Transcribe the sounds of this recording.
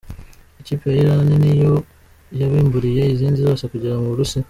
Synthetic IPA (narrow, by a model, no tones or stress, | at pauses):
ecipeiɾanenijo | jaβiːmbuɾijeiziːnzizoːsakuɟiɾamuɾusi